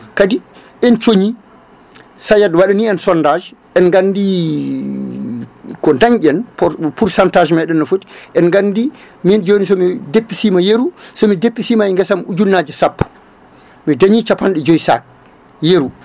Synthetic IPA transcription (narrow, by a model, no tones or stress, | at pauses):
kadi | ʔɛnt͡ʃoɲi | sajadwaɗaniɛnsɔndad͡ʒ | ɛnŋɡandi | kɔndaŋɟɛnpɔpuɾsantaːd͡ʒmɛɗɛnːɔfoti̥ʔɛnɡandi | mind͡ʒonis̬ɔmidepːisiːmajeɾusɔmidepːisiːmaɛŋɡɛsamud͡ʒulnad͡ʒɛsapː | mɛdaɲit͡ʃapːanɗɛd͡ʒojsa̰k̚ | jeɾu